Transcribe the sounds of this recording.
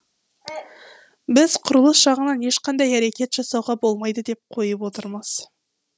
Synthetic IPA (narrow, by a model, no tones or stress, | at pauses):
bɪzqʰʊɾəlˠəsʒɑʁənɑne̞ʃqɑnd̪ɑjæɾekʲe̞t̪ʒ̥ɑsɑwʁɑbo̞lˠmɑjd̪əd̪e̞p̚qʰo̞jəp̬wo̞t̪əɾməz̥